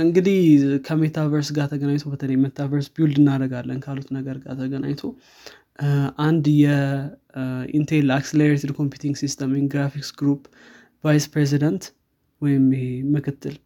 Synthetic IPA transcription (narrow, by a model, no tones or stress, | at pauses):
ɨŋɡɨd̪ihkʰəmet̪ʰavəɾsɡat̪ʰəɡənaɲt̪ʰobət̪ʰələjmet̪ʰːavəɾsbild̪ɨnːaɾəɡalːənkʰalut̪nəɡəɾɡa̰t̪ʰəɡənʔa̰ɲt̪ʰo̞ | ʔand̪jɛ | ḭnt̪ʰelakseleɾet̪ʰid̪kʰo̞mpjut̪ʰiŋɡsist̪ʰəmɪmɡɾafiksɡɾup | vajspɾez̬id̪ənt̪ | wɔjɪmeːəkʰɨt̪ʰːɨl